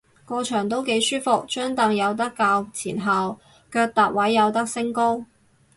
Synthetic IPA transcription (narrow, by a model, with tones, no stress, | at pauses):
kɔː˧t͡ʃʰœː˨˩ŋt̪o˥wke˨˥jsyː˥fʊ˨k̚t͡ʃœː˥ŋt̪ɐ˨˧ŋjɐ˨˧wt̪ɐ˥kːaː˧wt͡sʰḭː˨˩nɦɐ˨w | kœː˧k̚t̪aː˨k̚wɐ˨˥jːɐ˨˧wt̪ɐ˥k̚sɪ˥ŋko˥w